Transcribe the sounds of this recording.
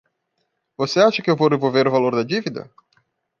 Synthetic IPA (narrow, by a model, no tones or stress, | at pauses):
voseaʃekəevorevolveɾvalord̪ad͡ʒivid̪ə̰